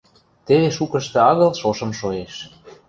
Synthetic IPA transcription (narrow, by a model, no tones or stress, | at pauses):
t̪eβeʃukə̆ʃt̪ĕɑɣɤ̆lʃoʃɤ̆mʃoeʃ